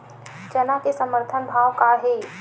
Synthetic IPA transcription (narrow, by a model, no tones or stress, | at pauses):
d͡ʒənakesəməɾt̪ʰənbʱaːʋkaɦe